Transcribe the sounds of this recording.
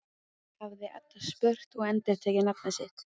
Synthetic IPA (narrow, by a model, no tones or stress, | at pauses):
havðɪʔa̰t̪aspœr̥t̪ɔɣɛnt̪ɪɾ̥t̪ʰɛːjcɪnapnasɪht̪